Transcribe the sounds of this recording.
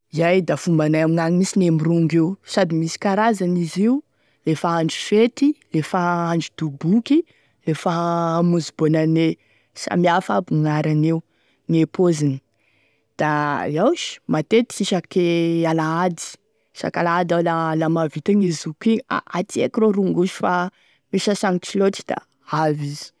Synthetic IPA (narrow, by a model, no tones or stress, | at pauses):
izajd̪afumbanajamiŋaŋimisinemiɾuŋɡewsad̪imisi̥kaɾazaniziu | lefaaɳɖ͡ʐi̥fet̪ilefaaɳɖ͡ʐid̪̥ubuki | lefaːmuzubonane | sa̰miafabuŋaɾaneu | ŋepozini̥ | d̪̥aiawʃi̥mat̪et̪iʃakealaad̪i̥ | sa̰kalaad̪alalamavit̪anizukia̰ʔat̪iḛkiɾoɾuŋɡuʃi̥fa | meʃasaŋit͡ʃilot̪i̥d̪a̰ | avizi̥